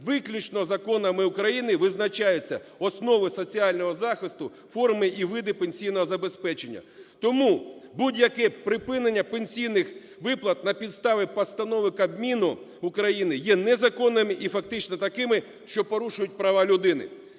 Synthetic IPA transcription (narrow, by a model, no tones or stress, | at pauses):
ʋɪklʲut͡ʃnɔzɐkɔnɐmɪʊkɾɐjinɪʋɪznɐt͡ʃɑjʊt͡sʲːɐɔsnɔʋɪsɔt͡sʲiɑlʲnɔɦɔzɑxɪst̪ʊ | fɔrmɪʔiʋɪd̪ɪpenʲsʲijnɔɦɔzɐbe̞spɛt͡ʃe̞nʲːɐ̰t̪ɔmubudʲjɐkɛpɾɪpɪnenʲːɐpenʲsʲijnɪx | ʋɪplˠɐt̪̚nɐpʲid̪st̪ɑʋɪpɐst̪ɐnɔʋɪkɐbmʲinʊ | ʊkɾɐjinɪjɛnɛzɐkɔnːɪmɪʔifɐk̚t̪ɪt͡ʃnɔt̪ɐkɪmɪ | ʃt͡ʃɔpɔɾuʃʊjʊt̚ʲpɾɐʋɑlʲʊd̪ɪnɪ̰